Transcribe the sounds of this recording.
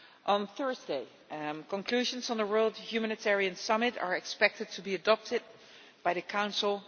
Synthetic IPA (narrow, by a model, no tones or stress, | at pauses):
ʔə̃nθɜ˞zdeɪ | kə̃nkʰl̥ʉʒə̃nz̃n̩ðəwə˞lˠdhjumænɨtʰɛɹiɨ̃nsʌmɪɾə̰˞ɨkspɛk̚tɨd̚tʰubiɨdɑp̚tʰɪd̚ | b̥aɪðɨkʰãʊ̃nsl̩ˠ